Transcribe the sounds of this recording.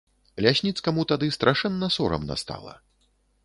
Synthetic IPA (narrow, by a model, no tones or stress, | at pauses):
lʲasʲnʲit̪skɐmut̪ad̪ɨst̪ɾʔaʂɛnːɐsɔɾɐ̰mna̰st̪a̰lˠɐ̰